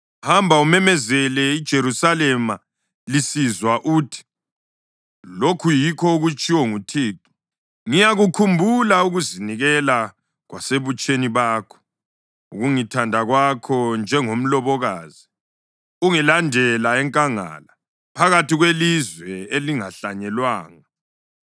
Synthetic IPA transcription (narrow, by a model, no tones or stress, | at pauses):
hambʱaumɛmɛzɛlɛid̥ʒ̥ʱeɾusalɛma | lisizwaʔutʰi̥ | lokʰujikʰɔuɣut͡ʃʼiwɔŋutʰiːǃi̥ | ŋijaɣukʰumbʱulauɣuziniɣɛla | ɣwaseβut͡ʃʼeniβaːkʰɔ̥ | uɣuŋitʰandʱaɣwakʰɔnd͡ʒʱɛŋom̩lɔβɔɣaːzi | uŋilandʱɛlaɛŋkʼaŋa̰la | pʰaɣatiɣwelizwɛeliŋaɬaɲɛlwaːŋa